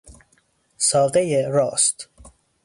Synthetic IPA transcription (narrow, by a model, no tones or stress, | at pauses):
sɒːd̪ejeɾɒːst̪